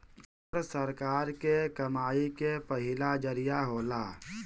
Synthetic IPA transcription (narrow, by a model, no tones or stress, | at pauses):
əɾsəɾkaːɾkekəmaːikepəɦɪlad͡ʒəɾijaɦoːlaː